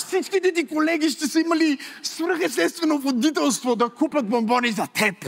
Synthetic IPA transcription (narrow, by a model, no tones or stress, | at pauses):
sit͡ʃkʲit̪ɛt̪ikolɛɡʲiʃt̪ɛsəimɐlisvɾəxɛst̪ɛt̪st̪vɛnovod̪it̪̬ɛlˠst̪vod̪ɐkupʲɐt̪̚bombɔnizɐt̪ʰɛp